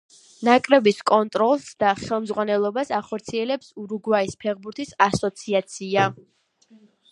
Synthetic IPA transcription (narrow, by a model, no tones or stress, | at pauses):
nakʼɾɛbiskʼɔnt̪ʼɾɔlˠsd̪aχɛlˠmzʁwanɛlˠɔbasaχɔɾt̪sʰiɛlɛpsuɾuɡwaispʰɛʁbuɾt̪ʰisasɔt̪sʰiat̪sʰia